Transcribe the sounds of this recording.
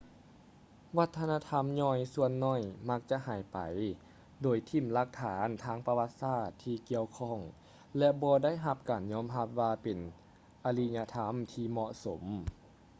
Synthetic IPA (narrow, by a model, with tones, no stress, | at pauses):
wa˧˥t̪ʰːa˧naː˧t̪ʰa˧˥˨mɲɔː˧˩jsu˧ənːɔː˧˩˨jma˧˥k̚t͡ɕa˧ʔha˨˩jpa̰˨˩j | doː˨˩jt̪ʰi˧˩mla˧k̚t̪ʰaː˨˩˦nt̪ʰaː˧˥ŋpa˧wa˧˥t̪̚saː˧˥˩t̪ʰːiː˧ki˧əwkʰɔː˧˩ŋ | lɛ˧bɔː˧da˥˨jɦa˧p̚kaː˨˩nɲɔː˧˥˨mɦa˧˥p̚waː˧pe˨˩n | ʔa˧li˧ɲa˧t̪ʰa˧˥˨mt̪ʰiː˧mɔ˧ʔso˩˦m